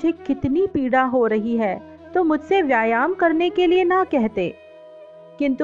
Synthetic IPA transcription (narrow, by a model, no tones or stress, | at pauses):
d͡ʒʱekɪt̪nipiːɽaɦoɾɐɦiɦɛː | t̪omʊd͡ʒʱseʋjaːjaːmkɐɾnekelienɐkɛɦt̪ḛː | kɪ̃nt̪